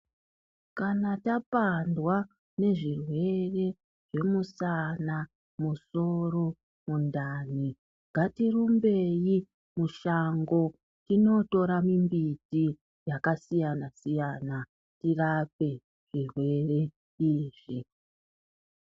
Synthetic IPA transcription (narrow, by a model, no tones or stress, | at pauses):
kanatapandwa | ne̞ʐirwe̞re̞ | ʐ̥e̞musana | muso̞ro̞ | mundani | ŋɡʱatirumbe̞ji | muʃaŋɡo̞ | tino̞to̞ɾamimbiti | jakasijanasijana | tirape̞ | ʐ̥irwe̞re̞ | iːʐ̥i